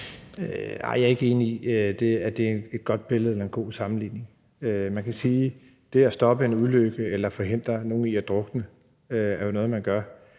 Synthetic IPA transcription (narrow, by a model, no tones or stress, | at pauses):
øɑ̰̈ɪ̰jɑ̈ɐe̝ɡ̥əe̝ːniiød̥e̝æd̥e̝ene̝d̥̚ɡ̥ɒ̽d̥̚b̥e̝ləð̩ˠelɐenɡ̥o̝̰ːsɑ̈mn̩lḭːne̝ŋ | ømænkʰæsiː | d̥e̝æsd̥ɒ̽b̥əe̝nuðˠløɡ̥əelɐfɒ̽ɦe̝n̰d̥ʁɐno̝ːn̩iæd̥ʁɔɡ̥ənə | øæɐjo̝nɔ̽ːð̞̩ˠmænɡ̥ɶɐ